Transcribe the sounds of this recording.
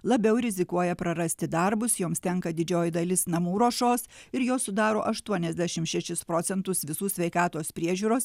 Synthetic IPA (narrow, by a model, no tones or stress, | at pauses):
lˠɐbʲɛʊɾʲɪzʲɪkuɔjɛpɾɐɾɐsʲt̪ʲɪd̪ɐɾbʊsjoːmst̪ʲɛŋkɐd̪ʲɪd͡ʒʲoːjɪd̪ɐlʲɪsnɐmuːɾoːʃoːsɪɾjoːsʊd̪ɑːɾoːʔɐʃt̪uɔnʲɛzʲd̪ʲæʃʲɪmʃʲɛʃʲɪspɾoːt̪sʲɛnt̪ʊsʋʲɪsuːsʲʋʲɛɪkɑːt̪oːspʲɾʲiɛʒʲuːɾoːs